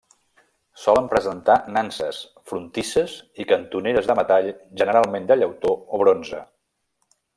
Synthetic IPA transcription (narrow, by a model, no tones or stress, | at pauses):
sɔləmpɾəzənt̪anansəs | fɾunt̪isəzikənt̪uneɾəzðəmət̪aʎʒənəɾalˠmend̪əʎəwt̪ooβɾonzə̰